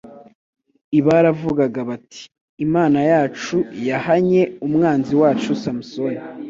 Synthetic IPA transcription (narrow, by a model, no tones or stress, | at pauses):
iβaɾavuɡaɡaβatʰi̥ː | maːnajaːt͡ʃujahaɲe̞umŋaːnziwaːt͡ʃusamusoni